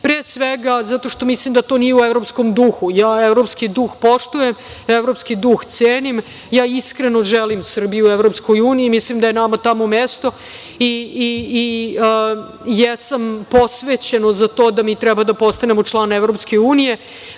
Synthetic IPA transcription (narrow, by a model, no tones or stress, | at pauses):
pɾeːsʋeɡazat̪o̞ʂt̪o̞mislimd̪at̪o̞ːnijeuevɾo̞psko̞md̪uxujaːevɾopskid̪uxpo̞ʂt̪uje̞m | evɾopskid̪uxt̪seːnim | jaːiskɾeno̞ʒelimsr̩bijuevɾo̞psko̞juːniimislimd̪ajenamat̪amomest̪o̞ | iː | jesampo̞sʋeːt͡ɕe̞nozat̪o̞ːd̪amiːt̪ɾɛbad̪apo̞st̪anemo̞t͡ʂlˠaːnevɾo̞pske̞uːnije̞